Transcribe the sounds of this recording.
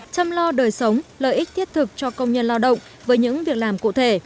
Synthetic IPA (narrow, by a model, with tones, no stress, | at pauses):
t͡ɕa˧mlɔ˧ɗəː˨˩jsə˨˦wŋ͡mlə̰ː˧˨ʔi˦˥k̚t̪ʰi˦˥əp̚t̪ʰɨ˨˩k̚t͡ɕɔ˧kə˧wŋ͡mɲə˧nlaː˧wɗə̰˧˨wŋ͡m | vəː˨˦jɲɨ̰˧˥ŋvi˨˩ək̚laː˨˩mkṵ˧˨t̪ʰe˧˩